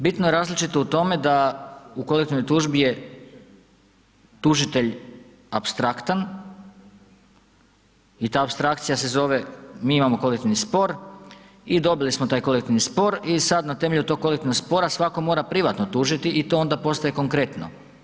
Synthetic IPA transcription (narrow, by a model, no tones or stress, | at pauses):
bit̪noje̞ɾaːzlit͡ʃit̪o̞ut̪o̞me̞d̪aukolek̚t̪iʋnojt̪uʒbije | t̪uʒit̪e̞ʎ | apst̪ɾakt̪an | it̪aːpst̪ɾakt̪sijase̞zo̞ʋe̞miːimamo̞ko̞lekt̪iʋnispo̞ɾ | id̪o̞bilismot̪aːjko̞lekt̪iʋnispo̞ɾisad̪nat̪e̞me̞ʎut̪o̞ɡ̚ko̞lekt̪iʋnoɡspo̞ɾasʋako̞mo̞ːɾapɾiʋat̪no̞t̪uːʒit̪iʔit̪o̞ːo̞nd̪apo̞st̪ajeko̞ŋkɾe̞t̪no̰